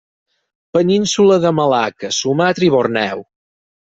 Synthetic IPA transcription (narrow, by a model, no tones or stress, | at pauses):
pəninsuləðəməlakəsumat̪ɾiβornɛw